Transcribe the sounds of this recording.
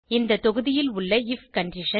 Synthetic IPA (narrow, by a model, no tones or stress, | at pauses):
ɪnd̪ɐt̪ɔɣɯðɪjɪlʊɭːɐɪfkɐɳɖɪʂɐ